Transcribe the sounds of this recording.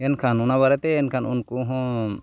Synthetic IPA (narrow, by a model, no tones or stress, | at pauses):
ɛnkʰanunaβaɾɛt̪ɛːnkʰanṵnkuɦɔ̃